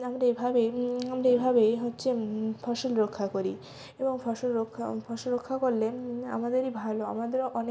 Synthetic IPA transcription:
amɾaejbʱabeamɾaebʱabeɦotːɕʰefɔʃolɾokʰːakoɾi | eboŋfʰɔʃolɾokʰːafʰɔʃolɾokʰːakoɾlea̰mad̪eɾibʱaloa̰mad̪eɾoʔɔne

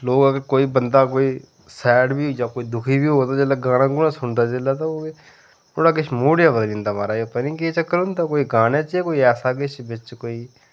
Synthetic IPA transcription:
loːɡəɡəɾkoːiːbənd̪aːkoːiː | sɛːɖbiːjaːkoːiːd̪ʊkʰiːbiːɦoːt̪aːd͡ʒeːlaːɡaːñãːɡʊnãːsʊɳd̪aːd͡ʒeːlaːt̪aoː | oːɽaːɡɪt͡ʃʰmoːɽjaːbəd̪lĩːnd̪aːmaːɾaːepənĩːket͡ʃəkːəɾʊnd̪aːkoːiːɡaːneːt͡ʃeːkoːiːɛːsaːɡɪt͡ʃbɪt͡ʃkoːiː

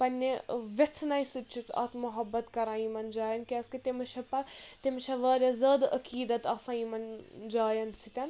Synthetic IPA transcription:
pɐnʲːiʋʲet͡sʰnɐjsɨt͡ʃʰit̪ɐ̰t̪ʰmuɦɐbːɐt̪kɐɾãːjimɐnd͡ʒaːjɐnkʲiɐskɐt̪ʲimɐt͡ʃʰɐpɐt̪imɐt͡ʃʰɐʋɐːɾʲɐzɐd̪ɐ̰kiːd̪ɐt̪ɐsãːimɐnd͡ʒaːjɐnsʰit̪ʲɐn

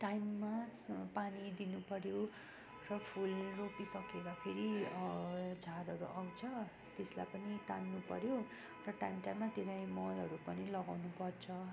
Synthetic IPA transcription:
ʈajmːapanid̪inupʌɾjo | rʌpʰulropisʌkeɡ̪apʰeɾi | d͡zʱaɾɦʌɾuʔawt͡sʰʌ | t̪esla̰jpʌnit̪anːupʌ̰ɾjo | rʌʈajmʈajmːat̪eɾajmʌlʌɾupʌnilʌɡawnupʌrt͡sʰʌ

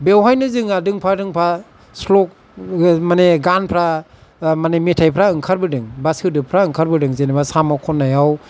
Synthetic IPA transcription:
bewɦajnɯzɯŋadɯŋpʰadɯŋpʰa | slɔk̚ | maneɡanpʰɾa | manemetʰajpʰɾaɯŋkʰaɾbɯdɯŋbasɯdɯpʰɾaɯŋkʰaɾbɯdɯŋzenbasamakʰɔnːajaw

